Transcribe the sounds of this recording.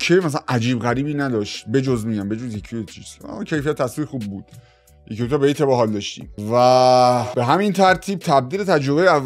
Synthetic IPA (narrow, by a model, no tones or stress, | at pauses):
cʰemæsæænʔæd͡ʒiːbɣæɾiːbiːnæd̪ɒʃt̪be̞d͡ʒozmiɟæmbe̞d͡ʒozjecʰijojet͡ʃʰiːz̥ɔ̰cʰe̞jfijæt̪ʰːæsviːɾxuːbːuːd̪̥ | jekʰeut̪ʰɔbeejt̪ʰebɒɦɒld̪ɒʃt̪ḭːmvæbe̞ɦæmint̪ʰæɾt̪ʰiːb̚t̪ʰæb̚d̪iːlet̪ʰæd͡ʒɾobejeævː